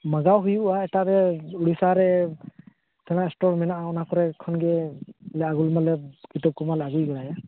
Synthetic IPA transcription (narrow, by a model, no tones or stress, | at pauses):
maɡawɦujuaɛtaɾɛuɽisaɾɛ | tʰɛñaɛstɔɹmɛnaʔɔnakɔɾɛkʰɔnɡɛlɛaɡulmalɛkitɔp̚kɔmalaɡujɡɔlaja